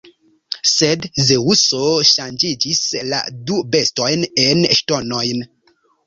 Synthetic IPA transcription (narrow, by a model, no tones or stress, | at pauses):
sedzeusoʃand͡ʒid͡ʒisla̰dube̞sto̞jnenʃto̞no̞jn